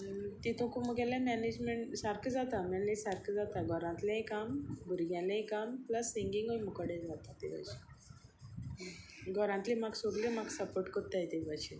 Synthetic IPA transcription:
t̪it̪ʰũkũmuɡalamɛned͡ʑmeɳʈsaɾkʰd͡zat̪amalesaɾkʰəd͡zat̪aɡɔɾãnt̪leẽkambuɾɡjaleẽkampləsːiŋɡĩŋɡəjmukəɽed͡zat̪at̪eʋa̰ɕi̥ | ɡʱɔɾãnt̪limaɡsoɡlemaɡsəpoɾʈkət̪ːajt̪eʋaɕi

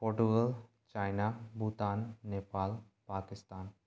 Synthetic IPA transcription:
poːɾʈuɡəl | t͡ʃaːjnabut̪aːnːeːpaːl | paːkɪst̪aːn

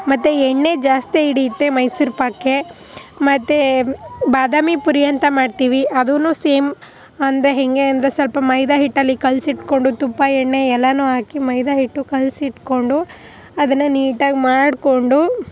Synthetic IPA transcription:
mɐt̪ːeeɳːe̞d͡ʒaːst̪eiɽiːt̪ːemɐjsuɾpɐkːe̞ | mɐt̪ːebaːd̪aːmipuɾijɐnt̪ɐmaːɖt̪iːʋiʔɐd̪unuːseːm | ɐnd̪ɐɾeɦeŋɡeɐnd̪ɐɾesɐlpɐmɐjd̪aɦiʈːɐlːikɐlsiʈko̞ɳɖut̪umpːɐɛɳːeɛlːɐnuːɦaːkimɐjd̪aɦiʈːukɐlsiʈko̞ɳɖu | ɐd̪ɐnːɐniːʈaːɡmaːɖko̞ɳɖu

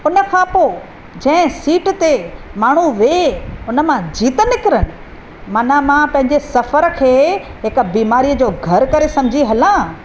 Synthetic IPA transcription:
ʊnəkʰãpoː | d͡ʑɐ̃ɦɪ̃siːʈt̪emaːɳ̤uʋeʊnə̆mãd͡ʑiːt̪ənɪkɪɾənɪ̆ | mɐnamãpɐ̃ɦɪ̃ɲd͡ʑesɐfəɾkʰeːɦɪk̆biːmaːɾiːəd͡ʑoːɡʱɐɾkɐɾesɐ̃md͡ʑʱiɦɐlãː

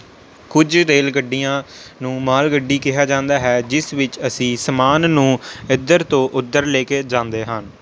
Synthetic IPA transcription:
kʊd͡ʒɾeːlɡəɖːijãːnũːmaːlɡəɖːiːkɪɦaːd͡ʒãːnd̪aːɦɛːd͡ʒɪsʋɪt͡ʃəsĩːsəmaːnːũːɪd̪ːəɾt̪õːʔʊd̪ːəɾleːkeːd͡ʒãːnd̪eːɦən

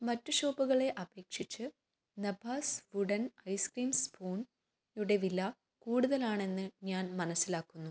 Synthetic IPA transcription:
mɐtːuɕo̞ːbuɣɐɭe̞ʔɐbe̞ːkʂit͡ɕːɨ | nɐbʱaːsʋuɽɐnɐjskriːmspʰoːn | juɽe̞ʋilːɐ | kuːɽuðɐlaːɳe̞nːɨɲaːnmɐnɐsːilaːkːunːu

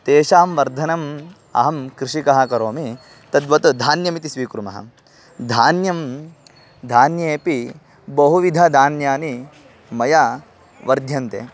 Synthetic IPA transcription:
t̪eːʃaːmʋɐɾd̪ʱɐnɐm | ɐ̰ɦɐmkɾiʂikɐɦɐkɐɾoːmi | t̪ɐd̪ʋɐt̪d̪ʱaːnjɐmit̪isʋiːkɾumɐ̰ɦɐ̰ | d̪ʱaːnjɐm | d̪ʱaːnjeːpi | bɐɦuʋid̪ʱɐd̪ʱaːnjaːni | mɐjɐ | ʋɐɾd̪ʱjɐnt̪ḛː

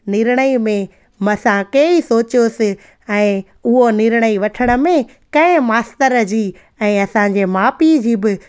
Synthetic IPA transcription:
nɪɾɽ̃əimẽ | mɐsãkeːisoːt͡ɕijoːsɪ | ɛ̃ː | ʊɦonɪɾɽ̃əiʋɐʈʰəɽ̃ə̆mẽ | kɐ̃ɪ̃maːst̪əɾd͡ʑiː | ɛ̃ːɐsãɲ̆d͡ʑemaːpid͡ʑiːbɪ

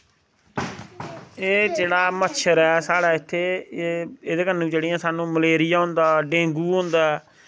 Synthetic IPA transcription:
eːd͡ʒeːɽaːmətːʃʰəɾɛːsaːɽaːɪt̪ʰːeː | eːd̪eːkənːũːd͡ʒeːɽɪjãːsaːnũːməleːɾɪjaːɦʊ̃nd̪aːɖẽːŋɡuːõnd̪aːɛː

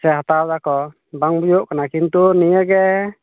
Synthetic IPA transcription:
sɛɦat̪awd̪akɔ | baŋbujuʔkanakint̪uɾnijəɡɛ

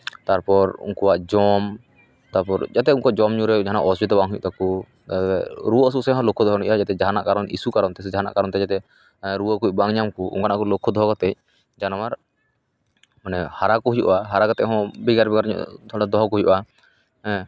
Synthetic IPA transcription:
t̪aɾpɔɾṵŋkɔwaʔd͡ʒɔm | t̪aɾpɔɾd͡ʒat̪ɛuŋkɔwad͡ʒɔmɲuɾɛd͡ʒaɦana̰ʔɔsd͡ʒɔt̪̬ɛbaŋɦujʔt̪aku | t̪aɛɾuɔs̬usɛɦɔ̃lɔkʰːɔd̪ɔɦɔnḭʔad͡ʒat̪ɛd͡ʒaɦana̰ʔkaɾɔnḭsukaɾɔnt̪ɛd͡ʒaɦana̰ʔkaɾɔnt̪ɛd͡ʒat̪ɛ | ɾuwəkuc̚baŋɲamkuʔṵŋkanaʔkɔlɔkʰːɔd̪ɔɦɔkɔt̪ɛc̚ | d͡ʒanɔmaɾ | manɛhaɾakɔɦujṵʔaɦaɾakat̪ɛʔɦɔ̃biɡaɾbɛɡaɾɲṵd̪ʰɔɽad̪ɔɦɔkɔɦujṵʔa | ɛ̃

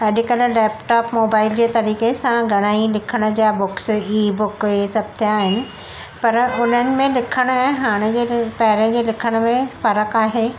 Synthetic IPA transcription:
ɐɗɪkəllɛːpʈɔːpmoːbaːɪld͡ʑeːt̪ɐɾiːkesãɡʱɐɽ̃aːilɪkʰəɽ̃ʊ̆d͡ʑabʊksiːbʊkesɐb̚ʱt̪ʰijaːɦɪnɪ̆ | pɐɾʊn̤ənɪ̆mẽlɪkʰəɽ̃ʊɛ̃ɦaːɽ̃ed͡ʑeːpɐɦɪɾə̃d͡ʑeːlɪkʰəɽ̃ʊmẽfɐɾəkaːɦeː

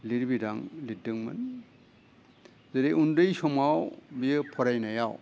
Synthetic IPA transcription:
liɾbidaŋlidɯŋmɯ̰n | zeɾeundɯjsɔmawbijɯpʰɔɾajnajaw

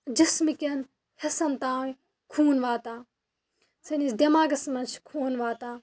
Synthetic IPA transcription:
d͡ʒɐsmikʲen | hɐsɐnt̪aːw | kʰuːnʋaːt̪aː | senisd̪ɐmaːɡɐsmɐnt͡ʃʰkʰoːnʋaːt̪aː

